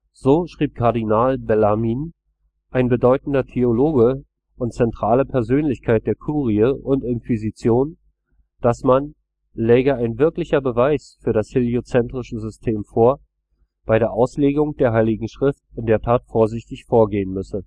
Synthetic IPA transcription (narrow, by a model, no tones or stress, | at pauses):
z̥oːʃʁ̥iːp̚kʰaɐdinaːlbɛlamiːn | ʔaɪnbədɔʏtn̩dɐtʰeoloːɡə | ʔʊntt͡sɛntʁ̥aːləpʰɛɐzøːnlɪçkʰaɪt̚d̥eːɐkʰuːʁiəʔʊntɪnkv̥izit͡sjoːn | d̥asman | lɛːɡəaɪnvɪɐklɪçɐbəvaɪsfyːɐɾasheliot͡sɛntʁ̥ɪʃəzʏstʰeːmfoːɐ | b̥aɪɾeːɐʔaʊsleːɡʊŋd̥eːɐɦaɪlɪɡŋ̩ʃʁ̥ɪftɪnd̥eːɐtʰaːtfoːɐzɪçtɪçfoːɐɡeːənmʏsə